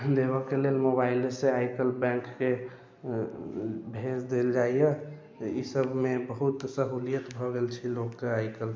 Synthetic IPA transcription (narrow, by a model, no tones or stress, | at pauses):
d̪eβəkelelmobailseajkəlbɛ̃ŋkːe | bʱed͡ʒd̪eld͡ʒaije | ḭsəbʱmebəɦut̪səɦulijət̪bʱɔɡelt͡ʃʰilokkəajkəl